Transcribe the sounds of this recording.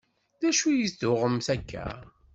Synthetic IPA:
ðæʃujisd̪ʊʁəmθækʰːæ̰

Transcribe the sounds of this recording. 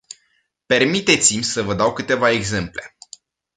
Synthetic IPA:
pe̞rmit̪e̞t̪simʲsəvəd̪awkɨt̪e̞vae̞ɡze̞mple̞

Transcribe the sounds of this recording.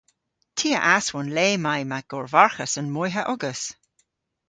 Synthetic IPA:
tʰiːəʔaswʊnleːmajmaɡ̥ɔɹvaɹxəsənmɔjɦəʔʊɡəs

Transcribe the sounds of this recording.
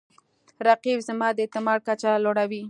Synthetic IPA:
ɾaqibzamɑd̪əet̪ɪmɑɽ̚kat͡ʃaloɽawi

